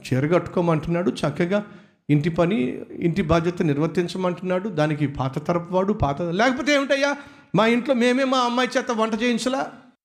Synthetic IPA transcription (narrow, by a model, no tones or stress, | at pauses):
t͡ʃeːɾɐɡɐʈːu̥koːmɐɳʈunːaːɽut͡ʃɐkːɐɡaː | iɳt̪ipɐniḭɳʈ̪ibʱaːd͡ʒjɐt̪ɐniɾʋɐt̪ːiɲt͡ʃɐmɐɳʈunːaːɽud̪aːnik̬ipaːt̪ɐt̪ɐɾɐpɐʋaːɽupaːt̪ɐlɛːkɐp̬oːt̪eːmiʈɐjaː | maːiɳʈlo̞ːme̞ːmeːmaːɐmːaːjt͡ʃɛːt̪ːɐʋɐɳʈɐt͡ʃeːjiɲt͡ʃɐlaː